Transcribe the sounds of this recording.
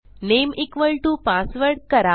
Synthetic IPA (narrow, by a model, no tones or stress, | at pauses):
nemikʋəɭʈupasʋəɾɽkəɾa